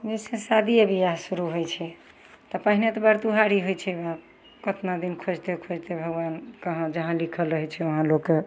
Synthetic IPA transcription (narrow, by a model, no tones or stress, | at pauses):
d͡ʒesesad̪iebʱijasuɾuɦojt͡ʃʰɛ | t̪ɔpaɦinet̪ɔbəɾt̪uɦaɾiɦojt͡ʃʰɛba | kət̪nad̪inkʰod͡ʒt̪ekʰod͡ʒt̪ebʱəɡwankəɦãd͡ʒəɦãlikʰəlɾəɦɛt͡ʃʰɛoɦãlokːe